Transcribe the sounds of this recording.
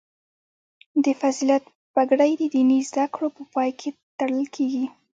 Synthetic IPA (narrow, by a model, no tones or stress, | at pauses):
d̪əfaziljat̪ | b̥aɡɽajd̪əd̪inizd̪akɽopəpɑjkʰet̪aɽəlkʰeɡi